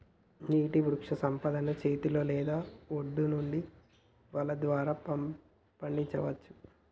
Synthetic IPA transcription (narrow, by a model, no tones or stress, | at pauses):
niːʈiʋɾukʂɐsɐmpɐd̪ɐnɐt͡ʃe̞ːt̪ilo̞ːlɛːd̪aːoɖːunuɳɖi | ʋɐlɐd̪ʋaːɾaː | pɐɳɖiɲt͡ʃɐʋɐt͡ʃːu̥